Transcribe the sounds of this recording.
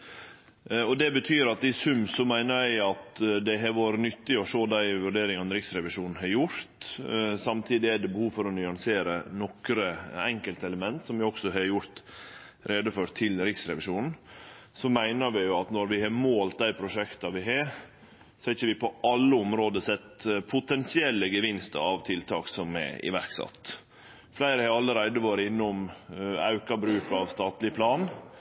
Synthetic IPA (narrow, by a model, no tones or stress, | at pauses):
ɔd̪ɛbət̪ʰyːɾɑt̪̚d̪ɪsʉmsɔmæɪnəɾæɪɑt̪d̪ɛɦɑʋoːɾənʏt̪ːɪɔʂoːd̪æɪʋʉɖeːɾɪŋɑnɾɪksɾɛʋɪʂuːnn̩ɦɑɾjʊɾt̪sɑmt̪ʰiːd̪ɪæɖɛbəhuːʋfɔɾɔnʏɑŋseːɾənɔkɾəɛŋkəlt̪əɛləmɛnt̪sɔmʋɪɔksɔɦɑɾjʊɾt̪ | ɾʔeːd̪əføɾt̪ʰːɪlɾɪksɾɛ̰ʋɪʂuːnn̩ | sɔmæɪnəɾʋɪjʊɑt̪nɔɾʋɪhɑɾmoːlt̪̚d̪æɪpʰɾʊʂɛkt̪ɑʋɪɦɑɾ | sɔhɛɾçəʋɪpʰɔʔɑlːəɔmɾoːd̪əsɛt̪pʰʊt̪ɛnsɪɛlːəɡəʋɪnst̪ə̰ɾɑʋt̪ʰɪlt̪ʰɑːksɔmɛ̰ɪ̰ʋæɾksɑ̰t̪ː | flæɪɾəhɑɾɑlːəɾæɪd̪əʋoːɾəɪnːʊmɑ̰ʉkɑbɾʉːkɑʋst̪ɑːt̪lɪpʰlɑːn